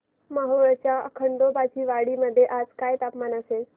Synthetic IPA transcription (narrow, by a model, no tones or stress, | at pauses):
məɦoɭt͡ɕjaə̰kʰəɳɖ̪obat͡ɕiːʋaɽiːməd̪ʱːjeʔad͡zkajt̪apmanəsel